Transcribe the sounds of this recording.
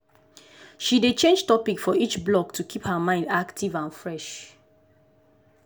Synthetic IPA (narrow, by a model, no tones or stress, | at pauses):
ʃidet͡ʃẽnd͡ʒtɔpikfɔit͡ʃblɔk̚tʰukʰiphəmãɪ̃ndaktʰivãnfɹɛʃ